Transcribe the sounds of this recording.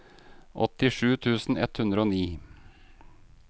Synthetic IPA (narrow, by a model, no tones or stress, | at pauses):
ʔɔ̰t̪ɪʂʉːt̪ʰʉːsn̩ɛ̰t̪hʉnɾəoːniː